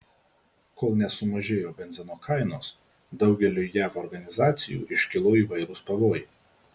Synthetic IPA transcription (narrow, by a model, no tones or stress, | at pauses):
koːlˠnʲɛsʊmɐʒʲeːjoːbʲɛnʲzʲɪnoːkʰɑɪnoːs | d̪ɒʊɡʲɛlʲuːjæːʋɔːɾɡɐnʲɪzɑːt̪sʲɪjṵːʔɪʃʲkʲɪlˠoːiːʋɐɪɾʊspɐʋoːje